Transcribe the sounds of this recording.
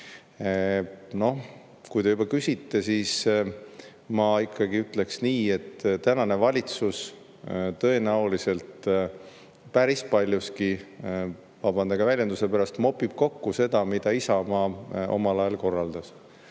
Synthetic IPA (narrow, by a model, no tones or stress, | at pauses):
no̞h | kujd̪eubɑkysʲit̪ːe̞siːs | mɑikʰˑːɑɡiyt̪ˑle̞ksniːe̞t̪ːt̪ænɑne̞vɑlʲit̪sus | t̪ɤ̞e̞næulise̞lt̪ | pæɾispɑlʲjuski | vɑbɑnd̪ɑɡɑvælʲjend̪use̞pæɾɑst̪mo̞pːˑib̥̚ko̞kːuse̞d̪̥ɑmid̪̥ɑisɑmɑʔo̞̰mɑlɑjɑlko̞rːɑld̪̥ɑs